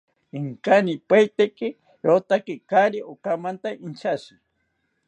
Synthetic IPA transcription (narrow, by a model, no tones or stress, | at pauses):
iŋkanipajt̪ekɪ | jot̪akɪkaɾiʔokamant̪aʔint͡ʃʰasi